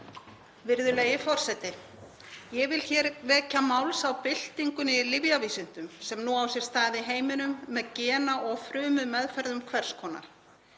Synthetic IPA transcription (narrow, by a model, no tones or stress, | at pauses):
vɪɾðʏlejɪfɔr̥sɛt̪ɪ | jɛɣvɪlçɛɾvɛːcamaːwlsawpɪl̥t̪iŋkʏnɪlɪvjaviːsʏn̥t̪ʏmsɛmnuawsjɛɾ̥st̪aːðɪɦeːjmɪnʏmːɛðcɛːnaʔɔɣfɾʏːmʏmɛðfɛɾðʏmkʰvɛr̥skʰɔːna̰ɾ̥